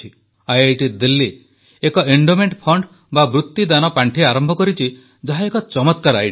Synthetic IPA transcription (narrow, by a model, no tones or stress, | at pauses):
i | ajejʈid̪ilːi | ekɔʔeɳɖomeɳʈpʰɔɳɖ | babɾut̪ːid̪anɔpaɳʈʰiaɾɔmbʱɔkɔɾit͡ʃʰi | d͡ʒaɦaekɔt͡ʃɔmɔt̪kaɾa̰jʈ